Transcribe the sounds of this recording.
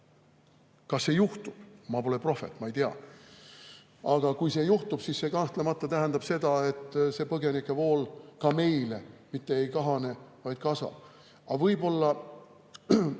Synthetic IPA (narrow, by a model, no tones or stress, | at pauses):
kɑsːe̞juht̪ub̥̚mɑpo̞lepro̞fe̞̰t̪ːmɑejt̪eɑ̰ | ɑɡ̥ɑkujse̞juht̪ub̥sisse̞kɑnht̪lemɑt̪ːˑɑt̪æɦænd̪ɑb̥se̞d̪ɑe̞t̪ːse̞pɤɡe̞nikˑːe̞vo̞ːlkɑme̞jle̞mit̪ːeejkɑɦɑne̞vɑjd̪̥kɑsɑ̰b̥̚ | ɑvɤjbo̞lːɑ